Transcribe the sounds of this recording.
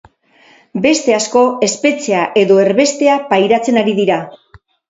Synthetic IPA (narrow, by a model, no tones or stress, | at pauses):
be̞st̪e̞asko̞e̞spe̞t͡se̞aʔe̞ðo̞e̞ɾβe̞st̪e̞apajɾat͡se̞naɾiðiɾa